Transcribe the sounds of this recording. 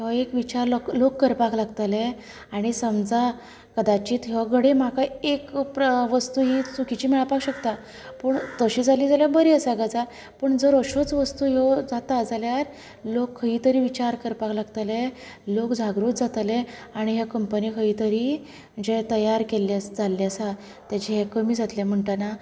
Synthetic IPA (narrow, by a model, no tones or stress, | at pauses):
ɦekʋit͡ɕaɾlklokːəɾpaklaɡt̪əle | aɽ̃isəmd͡za | kəd̪at͡ɕiːt̪ɦeʋaɡʱəɽem̤akaekpʋəst̪uːɦit͡sukit͡ɕiːmiɭapakɕəkt̪a | pəɳt̪əɕiːd͡zʱaliːd͡zaljabəɾiːəsaɡad͡za | pəɳd͡zəɾəɕot͡sʋəst̪uːɦed͡zat̪ad͡zaljaɾ | lokʰːəɦiːt̪əɾiːʋit͡ɕaɾkəɾpaklaɡt̪əlelokd͡zʱaɡɾuːt̪̚d͡zat̪leaɽ̃iɦjakəmpənikʰəiːt̪əɾiː | d͡ʑet̪əjaɾkelːasd͡zalːiasa | t̪jat͡ɕiɦekəmiːd͡zat̪lem̤əɳʈəna